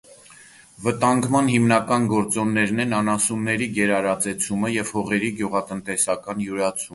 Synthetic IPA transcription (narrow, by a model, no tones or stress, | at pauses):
vət̪ɑŋɡmɑnhimnɑkɑnɡɔɾt͡sɔnːɛɾnɛnɑnɑsunːɛɾiɡɛɾɑɾɑt͡sɛt͡sʰuməjɛvhɔʁɛɾiɡjuʁɑt̪ənt̪ɛsɑkɑnjuɾɑt͡sʰum